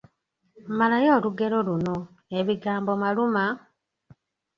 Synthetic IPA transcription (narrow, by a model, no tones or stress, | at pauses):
malajo̞ːluɡe̞lo̞luno̞ | e̞βiɡaːmbomaluma